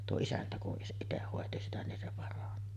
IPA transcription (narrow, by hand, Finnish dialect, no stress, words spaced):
tuo isæntæ kuʔ ʔiteh hoˑeti sitæ nin se pɑrɑni